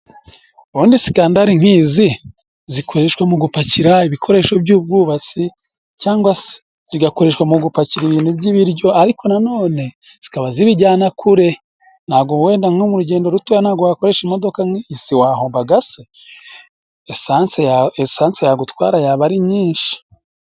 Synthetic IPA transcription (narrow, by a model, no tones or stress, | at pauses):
uɾuːndisi̥kaːndaɾiŋ̥hiːzi | zikʰo̞ɾeʃwamuɡupaciɾaiβikʰo̞ɾe̞ːʃo̞bɟuːb̚ɡuːβat͡si | caːŋɡwase̥ | ziɡako̞ɾe̞ːʃwamuɡupaciɾiβiːn̥hubɟiβiɾɟo̞aɾiko̞nano̞ːne̞ | z̥i̥kaβaziβiɟaːnakʰuɾe̞ | n̥aːɡowe̞ːndaŋomuɾuɟe̞ːndoɾutujanhaːɡowako̞ɾe̞ːʃimo̞do̞kaŋisiwahoːmbaɡase | eanseesaːnsejaɡutwa̰ːɾajaβaɾiɲiːnʃi̥